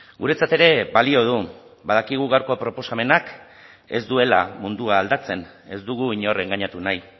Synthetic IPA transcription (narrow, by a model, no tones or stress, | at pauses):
ɡuɾe̞t͡sat̪e̞ɾe̞βalio̞ð̞u | bað̞akiɣ̞uɣawɾko̞pɾo̞po̞same̞nak | e̞̰zd̪ue̞la̰mund̪uaːld̪at͡se̞n | e̞zd̪uɣ̞uiɲo̞re̞ŋɡaɲat̪unaj